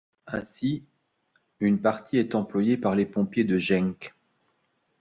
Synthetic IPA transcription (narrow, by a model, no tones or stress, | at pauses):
ɛ̃si | ynpaʁt̪iɛt̪ɑ̃plwajepaʁlepɔ̃pjed̪əʒɛ̃ŋk